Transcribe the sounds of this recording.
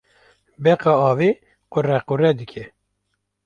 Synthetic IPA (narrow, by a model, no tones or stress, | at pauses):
bɛqɑɑːve | qʊrɛqʊrɛd̪ɨkʲʰɛ